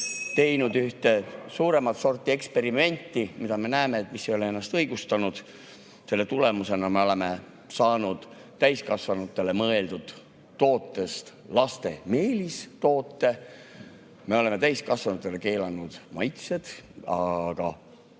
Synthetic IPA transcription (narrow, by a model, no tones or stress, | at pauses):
t̪e̞jnud̪yht̪e̞suːɾe̞mɑt̪so̞rt̪ːˑie̞kspe̞ɾime̞nʲt̪ˑːimid̪ɑme̞næːme̞ːt̪ːmisːejo̞lee̞nːɑst̪ɤjɡ̥ust̪ɑnud̪̥ | se̞lːe̞t̪ule̞muse̞nɑme̞o̞le̞me̞ | sɑːnud̪̥t̪ːæjskɑsvɑnut̪ːˑe̞le̞mɤe̞ld̪ud̪̥ | t̪ːo̞ːt̪ːˑe̞st̪ | lɑst̪e̞me̞ːlist̪o̞ːt̪ːe̞ | me̞o̞le̞me̞t̪æjskɑsvɑnut̪ˑːe̞le̞ke̞ːlɑnːud̪̥mɑjt̪se̞d̪̥ɑɡ̥ɑ̰